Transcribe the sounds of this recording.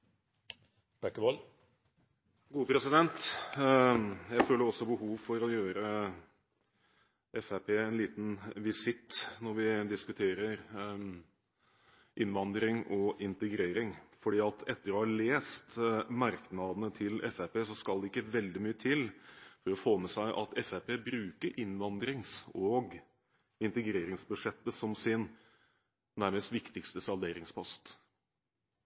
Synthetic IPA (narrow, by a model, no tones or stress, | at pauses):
b̥ækːəʋɔl | ɡuːəpʰɾɛsɪd̪ɛnt̪ | jæɪføːlɖəɔsːɔbəhuːʋfɔɾɔjøːɾə | ʔɛfæpʰeːɛnliːt̪nʋɪsɪt̪ːnɔɾʋɪd̪ɪskʉt̪ʰeːɾəɾ | ʔɪnʋɑnd̪ɾɪŋʔɔɪnt̪əɡɾeːɾɪŋfɔɖiːɑt̪ʰɛt̪ːəɾɔːhɑɭeːst̪mɑɾknɑːd̪ənət̪ʰɪlɛfæpeːsɔskɑld̪ɛɪkːəʋɛld̪ɪmyːət̪ʰɪlfɔɾɔfoːmɛsæɪʔɑ̰t̪ɛfæpʰeːbɾʉːkəɾʔɪnʋɑnd̪ɾɪŋsɔɡ | ɪnt̪əɡɾeːɾɪŋsbʉʂɛt̪ːəsɔmsɪn | næɾməst̪ʋɪkt̪ɪkst̪əsɑld̪eːɾɪŋspʰɔst̪